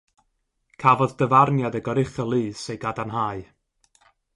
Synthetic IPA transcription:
kʰavɔddəvarnjadəɡɔɾɪχəlˠɨːsejɡadanɦaɨ

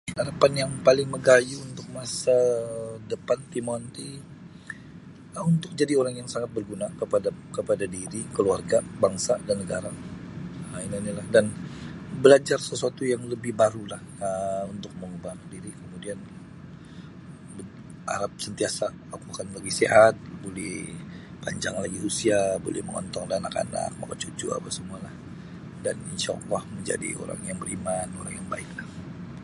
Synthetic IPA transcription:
aɾapanjaŋpalɪŋməɡajuːnt̪ʊk̚masadəpant̪imɔnt̪i | əunt̪ʊk̚d͡ʒadioɾaŋjaŋsaŋat̪̚bərɡunakəpadkəpadadiɾikəluarɡabaŋsadanːəɡaɾa | əininilahdanbəlad͡ʒarsəsuat̪ujaŋləbɪhbaɾulahəunt̪ʊk̚məŋubandiɾikəmudian | bə | a̰ɾap̚sənt̪iasa | akuakanlaɡɪhseɦat̪̚bolɛh | paɲd͡ʒaŋlaɡihusiabo̰lɛ̰hməŋɔ̰nt̪ɔŋdanaka̰na̰k̚ma̰kat͡ʃut͡ʃṵa̰pasəmualah | daninʃa̰lːahməɲd͡ʒa̰dḭo̰ɾa̰ŋjaŋbəɾimanoɾaŋjaŋba̰ɪklah

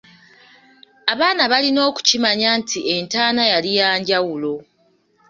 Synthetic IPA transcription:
aβaːnaβalino̞ːku̥cimaɲaːntʰie̞ntaːnajalijaːɲɟawulo̞

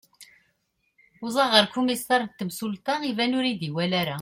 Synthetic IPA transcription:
ʊzˤɑʁəɾkumisɑɾˤt̪ːəmsult̪ɑivænʊɾid̪iwælæɾæ

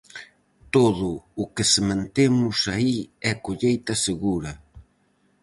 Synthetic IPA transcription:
t̪oðʊːkɪsemãnt̪emʊsaiɛkoʎejt̪ɐseɣuɾɐ

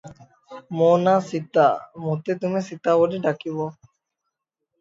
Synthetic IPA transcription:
moːnaːsit̪a̰ːmũːt̪eːt̪ʊmẽːsit̪aːoɖeɖakiboː

